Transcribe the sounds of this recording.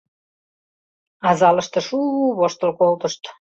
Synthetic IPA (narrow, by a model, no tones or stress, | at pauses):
ɑzɑləʃt̪ɤ̆ʃuβoʃt̪ə̆lkolt̪əʃt̪